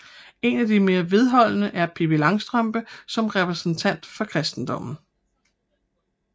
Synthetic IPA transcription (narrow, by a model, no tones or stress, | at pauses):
e̝næd̥ime̝ːɐʋe̝ð̞ˠɦɒ̽l̰nəʔæɐpʰe̝belɑ̈ŋsd̥ʁɶmb̥əsɒ̽mʁɛpʰʁɛsn̩t͡sʰæn̰d̥fɒ̽kʰʁɛsd̥n̩d̥ɒ̽m̰n̩